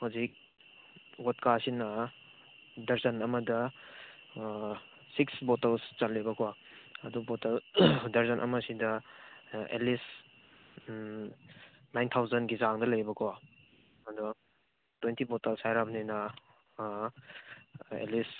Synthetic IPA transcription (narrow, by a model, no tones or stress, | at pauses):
huzik̚ | wot̚kasinɐ | dɐɾzɐnɐmɐdɐ | siksbotɐlst͡ʃɐlːibɐkʰowaɐdubotɐldɐɾzɐnʔɐ̰mɐsidɐ | ḛlis | najntʰawzɐnɡizaŋdɐlɐjbɐkʰwa | ɐdu | twentibotɐlsajɾabninɐ | ḛlis